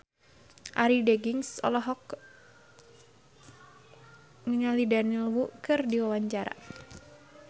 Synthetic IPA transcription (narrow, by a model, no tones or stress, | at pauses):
ʔaɾideɡiŋsɔ̰lɔɦɔk | ŋəɲalidanilwukɨrdiwawaɲt͡ʃaɾa̰